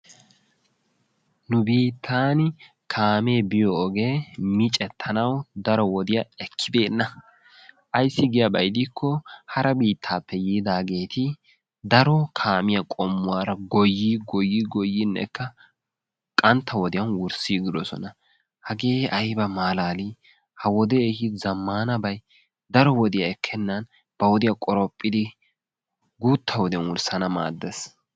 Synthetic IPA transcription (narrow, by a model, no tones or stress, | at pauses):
nʊbiːt̪ʰːaːn | kʰaːmeːbɪjɔːɡe̞ːmɪt͡ʃʼɛt̪ʰːɐnɐwd̪ɐɾɔwɔd̪ɪjɐɛkʰːɪbe̞ːnːɐ | ʔɐjsːɪɡɪjɐbɐjd̪ikːɔhɐɾɐbiːt̪ʰːaːpːɛjiːd̪aːɡe̞ːt̪ɪ | d̪ɐɾɔkʰaːmɪjɐkʼɔmːʊwaːɾɐɡɔjːiɡɔjːiɡɔjːɪnːɛ̰kːɐ | kʼɐnt̪ʰːɐwɔd̪ɪjɐnwʊɾsiːɡɪd̪ɔsɔ̰nɐ | hɐɡeːɐjbɐmaːlaːlɪ | hɐwɔd̪ɛehɪzɐmːaːnɐbɐj | d̪ɐɾɔwɔd̪ɪjɐɛkʰːɛnːɐn | b̥ɐwɔd̪ɪjɐkʼɔɾɔpʼːɪd̪ɪ | ɡuːt̪ʰːɐwɔd̪ɪjɐnwʊɾsɐnɐma̰ːd̪ːɛs